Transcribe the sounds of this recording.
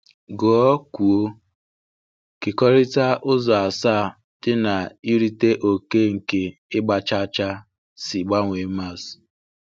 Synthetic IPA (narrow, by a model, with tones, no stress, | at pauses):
ɡɔ˨ɔ˦ku˨o˦ | ke˨kɔ˦ɾɪ˦ta˦ʔʊ˦zɔ˨a˨sa˦˨ | d̥ɪ˦na˨i˦ɾi˦te˦ʔo˨ke˦ŋ̩˨ke˨ɪ˦ɡ͡ba˨t͡ʃa˦t͡ʃa˦ | si˨ɡ͡ba˦ŋʷe˨˦ma˦˨s